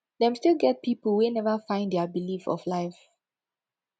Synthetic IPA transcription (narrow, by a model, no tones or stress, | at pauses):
dɛ̃mstilˠɡɛt̚pipəlwenɛvəfãɪ̃ndɛəbilifɔ̰flaɪf